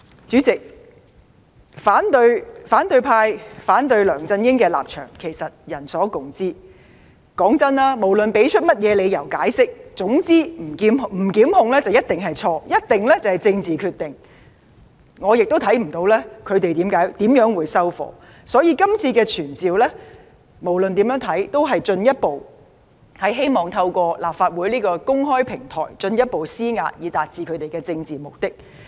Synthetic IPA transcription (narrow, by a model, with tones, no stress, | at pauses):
t͡syː˨˥t͡sɪ˨k̚ | faː˨˥nt̪ɵ˧ɥfaː˨˥nt̪ɵ˧ɥpʰaː˧jfaː˨˥nt̪̬ɵ˧ɥlœː˨˩ŋt͡sɐ˧njɪ˥ŋkɛː˧la̰ː˨p̚t͡ʃʰœ̰ː˨˩ŋkʰe˨˩jsɐ˨t̚jɐ˨˩nsɔː˨˥kʊ˨ŋt͡siː˥ | kɔː˨˥ŋt͡sɐ˥nlaː˥mo˨˩wlɵ˨npe˨˥jt͡ʃʰɵ˥t̚mɐ˥t̚jɛː˨˧le˨˧jɐ˨˩wkaː˨˥jsɪ˥k̚t͡sʊ˨˥ŋt͡siː˥m̩˨˩˨m̩˨˩kiː˨˥mhʊ˨˧ŋlɛː˥t͡sɐ˨wjɐ˥t̚t̪ɪ˨ŋɦɐ˨jt͡sʰɔː˧jɐ˥t̚t̪ɪ˨ŋlɛ˥t͡sɐ˨whɐ˨jt͡sɪ˧ŋt͡siː˨kʰyː˧t̪̚ɪ˨ŋ | ŋɔː˨˧jɪ˨k̚t̪o˥wt̪ʰɐ˨˥jm̩˨˩t̪o˧wlɛː˥kʰɵ˨˧t̪e˨jt̪iː˨˥mkaː˨˥jt̪iː˨˥mjœː˨˥ŋwuː˨˧jsɐ˥wfɔ̰ː˨˥ | sɔː˨˥jiː˧kɐ˥mt͡sʰiː˧kɛː˧t͡ʃʰyː˨˩nt͡siː˨wlɛː˥ | mo˨˩wlɵ˨nt̪iː˨˥mjœː˨˥ŋt̪ʰɐ˨˥jt̪o˥wɦɐ˨jt͡sɵ˧njɐ˥t̚po˨w | hɐ˨jɦe˥jmɔː˨˩ŋt̪ʰɐ˧wkʷɔː˧laː˨p̚faː˧t̚wuː˨˥jliː˥kɔː˧kʊ˥ŋɦɔː˥jpʰɪ˨˩ŋt̪ʰɔ̰ː˨˩jt͡sɵ˧njɐ˥t̚po˨wsiː˥ŋa̰ː˧t̚jiː˨˧t̪aː˨t̚t͡siː˧kʰɵ˨˧ɥt̪e˨jkɛː˧t͡sɪ˧ŋt͡siː˨˩mo˨˩k̚t̪ɪ˥k̚